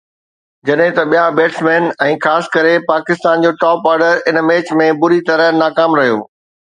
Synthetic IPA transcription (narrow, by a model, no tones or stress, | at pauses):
d͡ʑɐɗɦɪ̃t̪ɐɓijabeːʈsmeːnɛ̃ːxaːsɪ̥̆kɐɾepaːkɪst̪aːnd͡ʑoːʈɔːpaːɾɖəɾɪnmeːt͡ɕmẽbʊɾit̪ɐɾənaːkaːmɾɐɦijo̰ː